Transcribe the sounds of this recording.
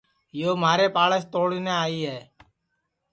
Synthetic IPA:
joːmaːɾeːpaːləst̪oːɽiːnẽːaːiːɦɛː

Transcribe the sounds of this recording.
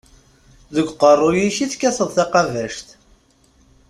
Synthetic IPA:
ðəɡʷqərˤːʊjiʃiθkːæsəðˤθɑqɑvæʃt̪

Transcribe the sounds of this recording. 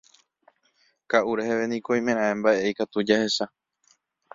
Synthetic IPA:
kaʔuɾeheʋenĩkoj̃mẽɾ̃ãẽmbaʔeikat̪ud͡ʒahe̞sa

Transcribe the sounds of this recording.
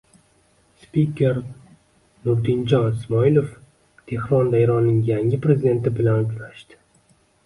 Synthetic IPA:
spikʲʰe̞ɾ | nʊɾd̪ɪnd͡ʒɒnɪsmɒɪlˠof | t̪ʰe̞hɾɒnd̪ajɾɒnːɪŋjaŋɪpɾe̞zid̪e̞nt̪ɪbɪlanʊt͡ʃʰlaʃt̪ɪ̥

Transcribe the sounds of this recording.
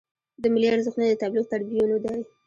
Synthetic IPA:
d̪əmɪliaɾzəxnad̪ət̪ɑblɪɣt̪aɽbijunod̪aj

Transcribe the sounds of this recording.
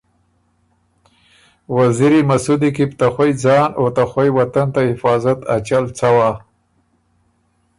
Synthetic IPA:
waziɾimasud̪ikipt̪axwojd͡zɑːnot̪axwajwat̪ant̪ahɪfɑːzat̪at͡ʃalt͡sawa

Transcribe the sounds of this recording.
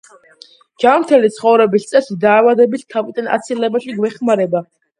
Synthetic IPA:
d͡ʒamt̪ʰɛlit̪sʰχɔvɾɛbist̪sʼɛsid̪aːvad̪ɛbist̪ʰavid̪ʼana̰t̪sʰilɛbaʃiɡvɛχmaɾɛba

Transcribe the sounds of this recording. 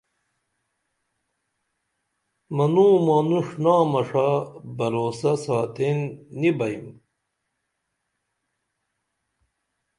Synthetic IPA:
mɐnuːmɐnuʂnaːmɐʂabɐɾoːsɐsaːt̪enːibɐim

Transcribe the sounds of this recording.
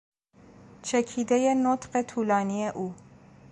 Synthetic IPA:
t͡ʃʰɛkʰid̪ɛjenot̪qet̪ʰulɑːnijɛʔuː

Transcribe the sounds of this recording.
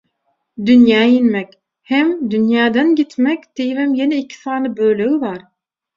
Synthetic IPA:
d̪ynjɑːjinmɛkʲ | hɛmd̪ynjɑːd̪ɑnɡit̪mɛkʲt̪ejvɛmjenɛikʰi̥sɑːnɯbøːlewivɑɾ

